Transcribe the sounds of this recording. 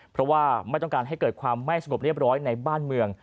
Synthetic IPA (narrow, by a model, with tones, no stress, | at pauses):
pʰɾɔ˦˥waː˥˩ma˥˩jt̪ɔ˥˩ŋkaː˧nɦa˥˩jkɤː˨˩t̪̚kʰwaː˧mːa˥˩jsa˧ŋo˨˩p̚ɾi˥˩əp̚ɾɔː˦˥jna˧jbaː˥˩nmɯ˧əŋ